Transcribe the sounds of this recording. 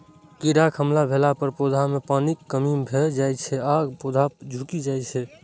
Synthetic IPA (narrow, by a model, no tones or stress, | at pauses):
kiɾakʰəmlabʱelapəɾpod̪ʱamepanikːəmimbʱeld͡ʒajt͡ʃʰɛaɡpod̪ʱad͡ʒʱukid͡ʒajt͡ʃʰɛ